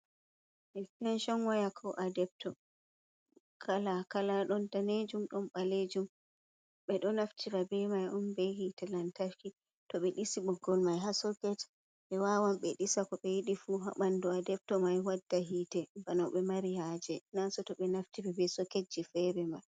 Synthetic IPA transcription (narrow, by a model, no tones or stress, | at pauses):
ɛkɛnʃɔnwajakʰɔʔadɛp̚tɔ | kʰalakalaɗɔntaned͡ʒumɗɔnɓaled͡ʒum | ɓɛɗɔnaftʰiɾabɛmajʔɔnbɛhitɛlantafki | tɔɓɛɗisiɓɔɡɔlmajɦasɔkɛt | ɓɛwawamɓɛɗisakɔɓɛjiɗifuɦa̰ɓanduadɛp̚tɔmajwadːaɦiːtɛbanɔɓɛmaɾihad͡ʒɛnasɔtɔɓɛnaftiɾɛbɛsɔked͡ʒːifɛɾɛmaj